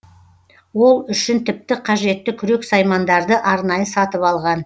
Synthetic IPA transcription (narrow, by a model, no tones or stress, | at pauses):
wo̞lˠʏʃɪnt̪ʰɪp̚t̪ɪqʰɑʒe̞t̪ːɪkʲʰʏɾe̞ksɑjmɑnd̪ɑɾd̪əʔɑɾnɑjəsɑt̪əpɑlˠʁɑn